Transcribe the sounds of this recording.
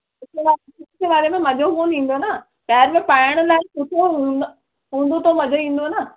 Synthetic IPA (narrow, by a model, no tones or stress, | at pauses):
ʊkeʋaːɾ | ʊtkeʋaːɾemẽmɐʄʱoɦoːnĩːn̆d̪onɐ | pɛːɦɪɾmẽpaːɪəɽ̃ʊ̆laːɪkʊt̪ʰoɦũ | ɦũːnd̪ot̪ʰomɐʄʱoĩːn̆d̪onə